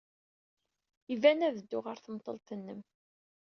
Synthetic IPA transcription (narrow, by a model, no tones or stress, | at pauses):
ivænæðəd̪ːʊʁəɾθəmt̪ˤːəlt̪ənːəm